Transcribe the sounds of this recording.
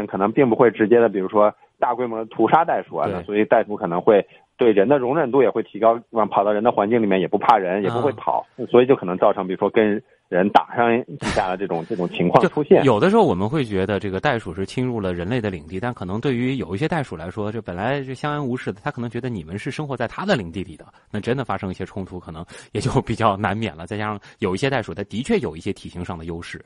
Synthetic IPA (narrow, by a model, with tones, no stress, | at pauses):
nkʰɤ˨˩nɤ˧˥ŋpi˥˩ŋpu˧˥xwe˥˩ɪʈ͡ʂɻ̩˧˥t͡ɕjɛ˥d̪ə˨pi˨˩ɻu˧˥ʂwɔ˥ | t̪a˥˩kwe˥ɪmwɔ˧˥d̪ə˧t̪ʰu˧˥ʂa˥t̪a˥˩ɪʂu˨˩ɐ̰˧˦n˥˩swɔ˧˥i˨˩t̪a˥˩ɪʂu˧˥kʰɤ˨˩nɤ˧˥ŋxwe˥˧ɪ | t̪we˥˩ɪɻə˧˥nd̪ə˧ɻʊ˧˥ŋɻə˨˩nt̪u˥jɛ˨˩xwe˥˩ɪt̪ʰi˧˥kɑ˥ʊ˥˩pʰɑ˨˩d̪ɑ˥˩ɻə˧˥nd̪ə˧xwa˧˥nt͡ɕi˥˩ŋli˨˩mjɛ˥˩njɛ˨˩pu˧˥pʰa˥˩ɻə˧˥njɛ˨˩pu˧˥xwe˥˩ɪpʰɑ̰˨˩˦ʊ˧swɔ˧˥i˨˩t͡ɕjkʰɤ˨˩nɤ˧˥ŋt͡sɑ˥˩ʊɤ˧˥ŋpi˨˩ɻu˧˥ʂwɔ˥kə˥n | ɻə˧˥nt̪a̰˨˩ʂɑ˥˧ŋt̪i˥˩ɕja˥˩lə˩ʈ͡ʂɤ˥˩ʈ͡ʂʊ˨˩ŋʈ͡ʂɤ˥˩ʈ͡ʂʊ˨˩ŋt͡ɕʰi˧˥ŋkʰwɑ˥˧˥ʈ͡ʂʰu˥ɕjɛ˥˩njo˨˩ʊd̪ə˧˦ʂɻ̩˧˥xo˥˩ʊwɔ˨˩mə˦xwe˥˩ɪt͡ɕɥɛ˧˥d̪ə˧ʈ͡ʂɤ˥˩ɡə˩t̪a˥˩ɪʂu˨˩ʂɻ̩˥˩t͡ɕʰi˥ŋɻu˥˩lə˩ɻə˧˥nle˥˩ɪd̪ə˩lḭ˨˩ŋt̪i˥˩t̪a˥˩nkʰɤ˨˩nɤ˧˥ŋt̪we˥˩ɪy˧˥jo˨˩ʊi˥˩ɕjɛ˥t̪a˥˩ɪʂu˨˩la˧˥ɪʂwɔ˥t͡ɕpə˨˩la˧˥ɪɤ˥˩ɕjɑ˥ŋa˥nu˧˥ʂɻ̩˥˩d̪ə˩t̪ʰa˥kʰɤ˨˩nɤ˧˥ŋt͡ɕɥɛ˧˥d̪ə˧ni˨˩mə˦nʂɻ̩˥˩˧ʂɤ˥ŋxwɔ˧˥t͡sa˥˩ɪt̪ʰa˥d̪ə˨li˨˩ŋt̪i˥˩lḭ˨˩d̪ə˦na˥˩ʈ͡ʂə˥nd̪ə˨˩fa˥ʂɤ˥ŋi˥˩ɕjɛ˥ʈ͡ʂʰʊ˥ŋt̪ʰu˧˥kʰɤ˨˩nɤ˧˥ŋjɛ˨˩t͡ɕjo˥˩ʊpi˨˩t͡ɕjɑ˥˩ʊna˧˥nmjɛ̰˨˩nlə˦t͡sa˥˧t͡ɕa˥ʂŋjo˨˩ʊi˥ɕjɛ˥t̪a˥˩ɪʂu˨˩t̪ʰa˥˩ɪt̪i˧˥t͡ɕʰɥɛ˥˩jo˨˩ʊi˥˩ɕjɛ˥t̪ʰi˨˩ɕi˧˥ŋʂɑ˥˩ŋd̪ə˩jo˥ʊʂɻ̩˥˩